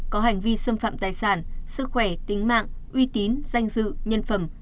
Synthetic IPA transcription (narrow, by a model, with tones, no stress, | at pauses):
kɔ˨˦ɦa˨˧˩jŋ̟vi˧sə˧mfa̰ː˧˨mt̪aː˨˩jsaː˧˩nsɨ˦˥k̚xwɛ˧˩t̪ï˨˦ŋ̟ma̰ː˧˨ŋʔwi˧t̪i˨˦nz̥a˧jŋ̟zɨ̰˧˨ɲə˧nfə˧˩m